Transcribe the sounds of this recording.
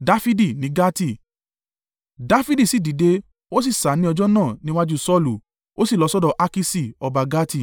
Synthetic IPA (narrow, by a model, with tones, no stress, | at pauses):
da˦fi˦di˦˨nĩ˨˦ɡa˦ti˦˨ | da˦fi˦di˦˨si˨di˨˦de˧ | o˦s̬i˦˨sa˨˦nĩ˦ɔ˧d͡ʒɔ˦nãː˦˨nĩ˦wa˦d͡ʒu˦sɔ˦lu˨ | o˦si˦˨lɔ˨˧sɔ˦dɔ˧ʔa˧ki˧si˦˨ɔ˧ba˧ɡa˦ti˦˨